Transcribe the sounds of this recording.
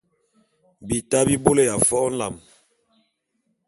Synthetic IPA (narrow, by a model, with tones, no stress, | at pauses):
bi˨ta˦bi˦bo˦le˦˨ja˨fɔ˦n̩˦la˨m